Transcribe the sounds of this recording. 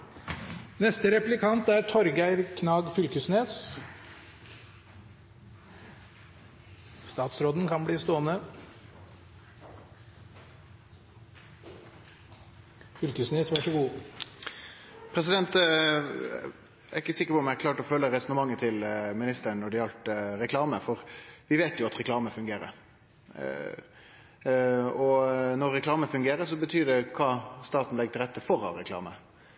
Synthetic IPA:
nɛst̪əɾɛplɪkʰɑnt̪æɾt̪ʰɔɾɡæɪɾkʰnɑːɡfʏlkəsneːs | st̪ɑːt̪sɾoːd̪n̩kʰɑnbliːst̪oːənə | fʏlkəsneːsʋæʂəɡuː | pʰɾɛsɪd̪ɛnt̪ | æɪkːəsɪkːəɾpɔmækʰlɑːʈɔfœlːəɾɛsɔnəmɑŋːət̪ʰɪlmɪnɪst̪əɳɔɖ̪ɪɑlt̪ɾɛkʰlɑːməfɔʁʋɪʋeːt̪jʊɑt̪ɾɛklɑːməfʉŋɡeːɾə̰ɾ | ɔnɔɾːɛklɑːməfʉŋɡeːɾəsɔbət̪ʰyːd̪ɛkʰɑːst̪ɑːt̪n̩lɛɡ̚t̪ɪlɾɛt̪ːəfɔɾɑ̰ʋɾɛkʰlɑ̰ːmə̰

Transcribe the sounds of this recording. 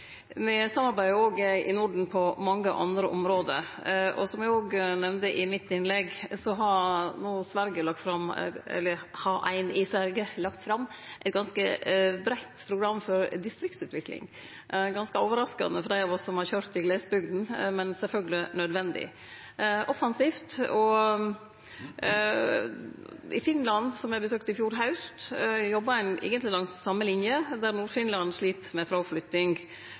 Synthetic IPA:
nɛsɑmːɑɾbæɪəoːɡɪ̰nʊɖɳ̩pʰɔmɑŋːəʔɑ̰nd̪ɾəʔɔmɾoːd̪ə̰ɾʔɔ̰sɔmjæɡoːɡnɛʋnd̪əʔɪmɪt̪ːɪnlɛɡsɔɦɑɾnoːsʋæɾɡəlɑk̚t̪fɾɑmɛ̰lːəhɑʔæ̰ɪnɪsʋæɾɡəlɑk̚t̪fɾɑmːʔæɪt̪̚ɡɑnskəbɾæɪt̪pʰɾʊɡɾɑmːfɔɾd̪ɪst̪ɾɪkt̪sʉːt̪ʋɪklɪ̰ŋ | ɡɑnskəoːʋəɾɑskɑ̰nəfɔɾd̪æɪɑʋɔsːɔmhɑɾçøːɾt̪ɪɡleːsbʏɡd̪n̩mɛnsɛlfœlɡəlɪnœd̪ʋɛnd̪ɪ̰ | ʔɔfɑnsiːft̪ɔ | ɪ̰fɪnlɑnsɔmæɪbəsøːk̚t̪ɪfjuːɾɦɑʉst̪jɔbːɑæɪnʔḛːɡənt̪lɪlɑŋsːɑmːəlɪnjəd̪æɾnuːɾfɪnlɑnʂɭiːt̪mɛfɾɑːflʏt̪ɪŋ

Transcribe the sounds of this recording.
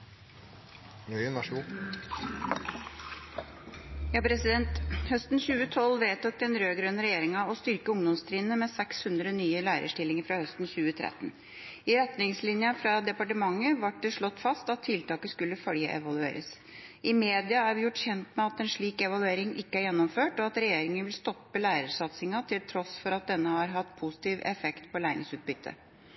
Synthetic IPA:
œnɑʂu | jɑːpʰɾɛsɪd̪ɛnt̪hœst̪nçʉːət̪ʰɔlʋeːt̪ʰʊk̚t̪ɛnɾøːɡɾœnɾɛjeːɾɪŋɑɔst̪ʏɾkəʊŋd̪ɔmst̪ʰɾiːnəmɛsɛkshʉnd̪ɾənyːəlæːɾʔə̰ʂʈɪlːɪŋəɾfɾɑhœst̪n̩çʉːət̪ʰɾɛ̰t̪ːn | ɪɾɛt̪nɪŋslɪnjɑfɾɑd̪ɛpɑʈəmɑŋːəʋɑʈ̚d̪ɛʂɭɔt̪ːfɑst̪ɑt̪ʰːɪlt̪ɑːkəskʉlːəfœɽjə̰ʔɛ̰ʋɑlʉḛːɾə̰s | ɪmeːd̪ɪɑæɾʋɪjʊʈːçɛnt̪mɛɑt̪ɛnʂɭiːkɛʋɑlʉeːɾɪŋʔɪkːəæɾjɛnːɔmføːʈɔɑt̪ɾɛjeːɾɪŋənʋɪlst̪ɔpːəlæːɾəʂɑt̪sɪŋɑt̪ʰɪlt̪ʰɾɔsfɔɾɑt̪̚d̪ɛnːəhɑɾɦɑt̪ːpʰʊsɪ̥t̪iːʋɛ̰fɛkt̪pʰɔlæːɾɪ̰ŋsʉːt̪̚bʏt̪ʰːə̰

